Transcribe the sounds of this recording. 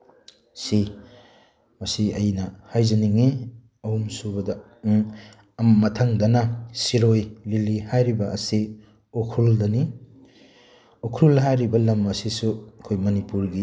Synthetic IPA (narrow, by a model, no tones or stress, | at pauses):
si | mɐsiɐjnɐhajzɐniŋi | ɐhumsubɐdɐ | mmɐtʰaŋdɐnɐsiɾojlilihajɾibɐɐsi | okʰɾuldɐni | okʰɾulɦajɾibɐlɐmɐsisuɐkʰojmɐnipuɾɡi